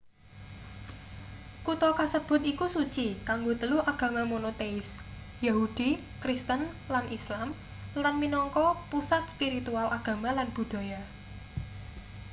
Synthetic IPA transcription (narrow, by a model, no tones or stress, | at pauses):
kut̪ɔkasəb̥ʊ̤t̪ikusut͡ʃikaŋɡot̪əluaɡ̥ä̤mamonot̪eɪs | jahud̥i | kɾist̪ən | lanʔislam | lanminɔŋkɔpusat̪̚spiɾit̪ualaɡ̥ä̤malanb̥ṳd̪̥a̤ja